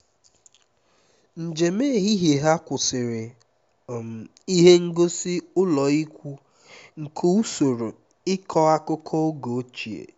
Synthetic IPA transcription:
n̩˨d͡ʒe˨me˦˨ɦi˦ɦe˨ɦa˦kʷʊ˨sɪ˨ɾɪ˨ | m˨ | i˦ɦe˦ŋ̩˦ɡo˦sɪ˦ʊ˦lɔ˨i˦kʷu˦ | ŋ̩˨kʰo˦u˦so˨ɾo˨ | ɪ˦kʰɔ˦a˦kʊ˦kʰɔ˦o˦ɡo˨˦t͡ʃi˨ḛ˨

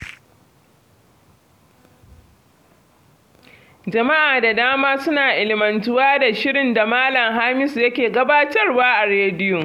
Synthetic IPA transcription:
d͡ʒɐ˨ma˦ʔaː˨da˨daː˦maː˦sʊ˦naː˨ʔɪ˨lɪ˨mɐ˨ntʊ˦waː˦da˨ʃɪ˦ɾɪ˨nda˨maː˦lɐ˨ŋɦaː˦mɪ˦sjɐ˦kʲeː˨ɡɐ˦baː˦tɐ˦rwaː˦ʔa˨ɾeː˦dɪ˦ju˨

